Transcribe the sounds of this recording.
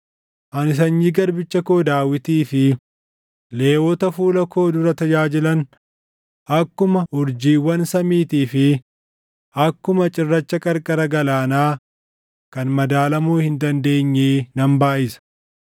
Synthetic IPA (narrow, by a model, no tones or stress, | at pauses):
ʔɐnɪs̬ɐɲːiːɡɐɾbɪt͡ʃːɐko̞ːd̪aːwɪt̪iːfɪ | le̞ːwɔt̪ɐfuːlɐkʰo̞ːd̪ʊɾɐt̪ɐd͡ʒaːd͡ʒɪlɐn | ʔɐkːʊmɐʊɾd͡ʒiːwːɐnsɐmiːt̪iːfɪ | ɐkːʊmɐt͡ʃʼɪrːɐt͡ʃːɐkʼɐɾkʼɐɾɐɡɐlaːnaː | kɐnmɐd̪aːlɐmuːhɪnd̪ɐnd̪e̞ːɲːeːnɐmbaːʔɪsɐ̥